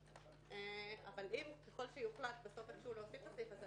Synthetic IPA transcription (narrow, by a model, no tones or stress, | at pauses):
eavalʔimkeχo̞lʃejuχlat̪beso̞feχʃeuloasift̪asifaz